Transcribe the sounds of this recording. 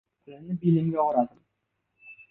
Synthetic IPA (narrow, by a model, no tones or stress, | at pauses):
k̪ʰʊlɪmnɪbilɪmɡʲaʊɾad̪ɪm